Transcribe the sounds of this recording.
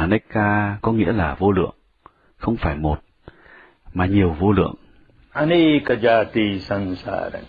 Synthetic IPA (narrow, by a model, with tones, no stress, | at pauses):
ne˦˥kːaː˧kɔ˨˦ŋḭ˧˥əlaː˨˩vo˧lɨ̰˧˨əŋ | xə˧wŋ͡mfaː˧˩jmo˨˩t̚ | maː˨˩ɲi˨˩əwvo˧lɨ̰˧˨əŋ | a˧ni˦ka˧d͡ʒa˧t̪i˧sa˧nsa̰˧ɾa̰˨ŋ